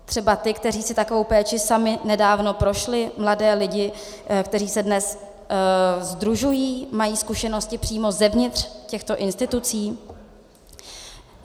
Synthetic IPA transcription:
t̪r̝̥ɛbat̪ɪkt̪ɛriːsɪt̪akovowpɛːt͡ʃɪsamɪnɛdaːvno̞pɾo̞ʃlɪmladɛːlɪɟɪ | kt̪ɛriːsɛdnɛs | zd̪ɾuʒujiːmajiːskuʃɛno̞scɪpr̝̥iːmo̞zɛvɲɪt̪r̥cɛxt̪o̞ʔɪnst̪ɪt̪ut͡siː

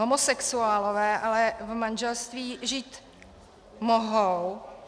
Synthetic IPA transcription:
omosɛksuaːlovɛːʔalɛvmanʒɛlst̪viːʒiːt̪ | moɦow

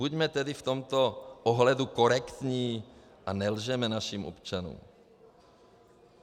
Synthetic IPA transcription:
buɟmɛt̪ɛdɪft̪omt̪oʔoɦlɛdukoɾɛkt̪ɲiː | ʔanɛlʒɛmɛnaʃiːmʔo̰pt͡ʃanṵːm

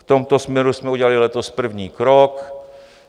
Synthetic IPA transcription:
ft̪omt̪osmɲɛɾusmɛuɟɛlalilɛt̪ospr̩vɲiːkɾok

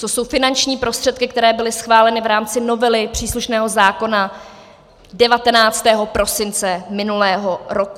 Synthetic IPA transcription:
t̪oso̞wfɪnant͡ʃɲiːpɾo̞st̪r̥ɛt̪̚kɪk̚t̪ɛɾɛːbɪlɪsxvaːlɛnɪvɾaːmt͡sɪno̞vɛlɪpr̝̥iːsluʃnɛːɦo̞zaːko̞na | dɛvat̪ɛnaːt͡st̪ɛːɦo̞pɾo̞sɪnt͡sɛmɪnulɛːɦoɾoku

